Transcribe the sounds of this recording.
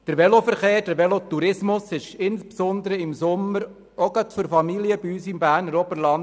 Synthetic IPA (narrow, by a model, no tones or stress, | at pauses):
d̥əɾʋɛlofəɾχeːɾd̥əɾʋɛlot̪ːuɾɪsmʊsɪʃɪnspsʊnd̪əɾəɪmsʊmːəɾ | oɡət̪fyɾfɑmiliəbiyːsɪmbæːɾnɾɔbəlɑn